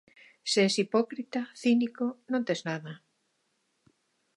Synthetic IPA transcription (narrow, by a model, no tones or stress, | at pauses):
seɛsipɔkɾit̪aθinikonõnt̪eznaðɐ